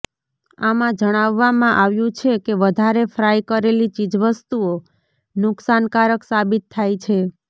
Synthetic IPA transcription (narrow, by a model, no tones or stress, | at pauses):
amãd͡ʒəɽ̃aʋːamãʔaʋjũt͡ʃʰekeʋəd̪ʱaɾefɾajkəɾelit͡ʃid͡ʒʋəst̪uo | nʊksankaɾəksabit̪ʰːajt͡ʃʰe